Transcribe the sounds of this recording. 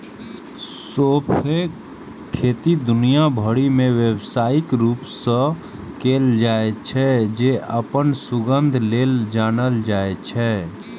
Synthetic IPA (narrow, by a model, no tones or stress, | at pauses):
sopʰe | kʰːeːt̪id̪ʊnijabʱəɽimẽʋebsaːɪkɾuːpsə̃ | keːld͡ʒaːet͡ʃʰɛd͡ʒeʔəpənsuɡənd̪ʱleːld͡ʒaːnəld͡ʒaːet͡ʃʰɛ